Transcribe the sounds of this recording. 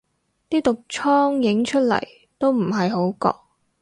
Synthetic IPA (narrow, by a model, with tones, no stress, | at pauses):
t̪iː˥t̪ʊ˨k̚t͡ʃʰɔː˥ŋjɪ˨˥ŋt͡ʃʰɵ˥t̚lɐ̰˨˩j | t̪o˥wm̩˨˩ɦɐ˨jɦo˨˥wkɔ̰ː˧k̚